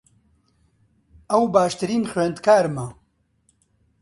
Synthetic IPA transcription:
ɐwbaːʃt̪ɨɾiːnxɥend̪kʰaːɾmɐ

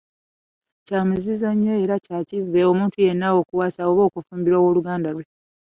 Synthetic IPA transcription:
caːmuzizo̞ɲːo̞e̞ɾacaːcivːe̞omuːntujenːawo̞ːkuwaːsaoβo̞ːkufuːmbiɾowoluɡaːndalwe̞

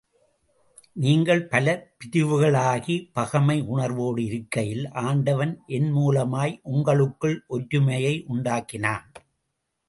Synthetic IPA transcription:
niːŋɡɐɭpɐlɐpɪðɪʋɯɣɐɭaːɣipɐɣɐmɐɪʔʊɳɐɾʋoːɽɯɪɾɯkːɐjɪlʔaːɳɖɐʋɐnʔɛnmuːlɐmaːjʔʊŋɡɐɭɯkːɯɭʔɔɾɾɯmɐjɐɪʔʊɳɖaːkːɪnaːn

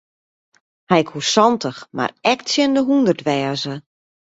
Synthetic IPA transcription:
hɛjkhusɔntəxma̰rɛk̚tsjɪndəɦundərtʋɛːzə

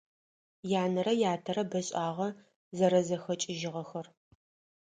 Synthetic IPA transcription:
jaːnɐɾɐjaːtʰɐɾɐbɐɕʼaːʁɐ | zɐɾɐzɐxɐt͡ʃʼɪʒɪʁɐxɐr

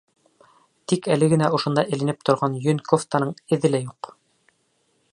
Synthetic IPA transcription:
t̪ikælɘɡɘ̆næŏʃŏnd̪ɑʔɘ̆lɘ̆nɘp̚t̪ŏɾʁɑnjɵnʲkoft̪ɑnɤɴɘ̆ðɘlæjuq

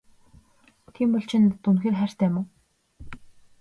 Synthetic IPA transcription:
t̪ʰiːmpɔɮt͡ɕʰɪ̆nt̪unxeːrχær̥ʲt̪æːmoː

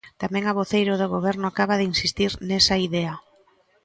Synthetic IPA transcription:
t̪amɛ̃ŋaβ̞oθejɾoðoɣoβɛɾnʊakaβaðɪinsist̪iɾnesaiðɛa

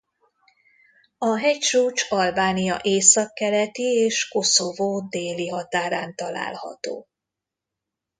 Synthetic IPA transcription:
ɒɦɛct͡ʃuːt͡ʃɒlbaːnijɒ̰ʔeːsɒkːɛlɛt̪ieːʃko̞sovoːd̪eːliɦɒt̪aːɾaːnt̪ɒla̰ːlhɒ̰t̪o̰ː

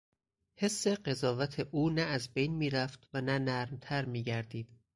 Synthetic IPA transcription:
he̞sːe̞ɢe̞zɒːvæt̪ʰeʔuːnæːzbejnmiːɾæft̪vænænæɾmt̪ʰæɾmiːɟæɾd̪iːd̪̥

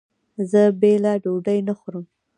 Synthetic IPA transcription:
zəbelaɖoɖəjnaxʊɾəm

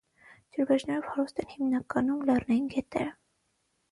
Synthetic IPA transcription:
d͡ʒ̪uɾbɛʒnɛɾɔvhɑɾust̪ɛnhimnɑkɑnumlɑrnɑjinɡɛt̪ɛɾə

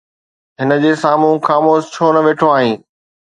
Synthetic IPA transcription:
ɦɪnə̆d͡ʑeːsaːmũxaːmoːst͡ɕʰoːnɐʋeːʈʰoaːɦĩː

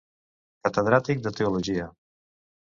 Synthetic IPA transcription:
kət̪əðɾat̪ik̚d̪ət̪euluʒiə

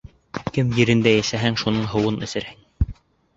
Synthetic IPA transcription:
kɘmjɘ̆ɾɘ̆nd̪æjæsæɦæŋʃunɤɴɦɤ̆wɤnɘ̆sɘ̆ɾhæŋ

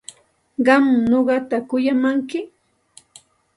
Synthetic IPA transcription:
ɢɑmɲoɢɑt̪akʊjamaŋkɪ

